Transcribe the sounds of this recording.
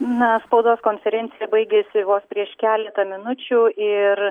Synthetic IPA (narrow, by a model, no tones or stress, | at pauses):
nɐspɐʊd̪oːskoːnʲfʲɛɾʲɛnʲɪjɛbɐɪɡʲeːsʲɪʋoːspʲɾʲiɛʃkʲæːlʲɛt̪ɐmʲɪnʊt͡ʃʲuːɪɾ